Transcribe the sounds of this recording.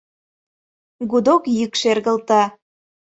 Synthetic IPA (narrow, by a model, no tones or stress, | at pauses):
ɣud̪okjykʃerɣəlt̪ɑ